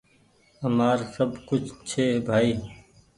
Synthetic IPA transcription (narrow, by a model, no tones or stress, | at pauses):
əmaːɾsɐbkʊt͡ʃʰt͡ʃʰeːbʱaːiː